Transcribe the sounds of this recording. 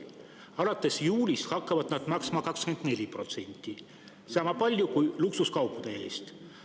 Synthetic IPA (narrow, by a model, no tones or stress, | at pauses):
ɑlɑt̪ːˑe̞sjuːlʲishɑkːɑvɑd̪̥nɑd̪̥mɑksmɑkɑkskme̞nd̪ne̞lʲipro̞t̪se̞nʲt̪ːˑi | sɑːmɑpɑlʲjukujluksuskɑwpːˑud̪̥e̞e̞̰ːst̪